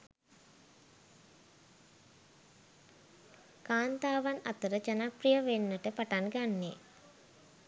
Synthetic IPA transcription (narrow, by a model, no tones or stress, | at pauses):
kaːnt̪aːʋana̰t̪əɾəd͡ʒanaprijəʋenːəʈəpaʈanɡanːe